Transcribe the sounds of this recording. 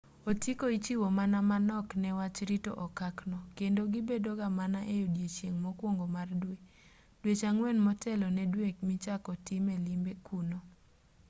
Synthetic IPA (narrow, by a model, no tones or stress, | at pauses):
otikoit͡ʃiwomanamanɔknɛwat͡ʃɾito̰ʔɔkaknɔkendoɡɪbedoɡamanaʔejodjet͡ʃjeŋmɔkwoŋɡomardwe | d̥wet͡ʃaŋwɛnmɔtɛlɔnɛdwekmit͡ʃakɔtɪmɛlimbekuno